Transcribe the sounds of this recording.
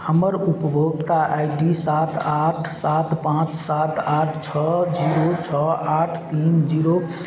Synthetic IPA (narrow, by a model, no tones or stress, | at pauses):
həməɾupəbʱoɡt̪aʔajɖisat̪ʰaʈʰsat̪pãt͡ʃsat̪aʈʰt͡ʃʰɔd͡ʒiɾot͡ʃʰɔaʈʰt̪ind͡ʒiɾo